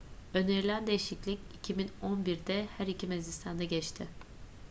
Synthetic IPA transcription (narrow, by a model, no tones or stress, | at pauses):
ø̞neɾilʲænd̪ejiʃiclʲicicʰimino̞nbiɾd̪ɛhæɾicʰimezist̪ʰand̪aɟɛt͡ʃt̪ʰɪ